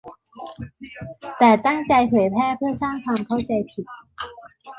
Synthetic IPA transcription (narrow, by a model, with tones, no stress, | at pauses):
t̪ɛː˨˩t̪a˥˩ŋt͡ɕa˧jpʰɤː˩˦jpʰɛː˥˩pʰɯ˥˩ɐsaː˥˩ŋkʰwaː˧mkʰa˥˩wt͡ɕa˧jpʰi˨˩t̪̚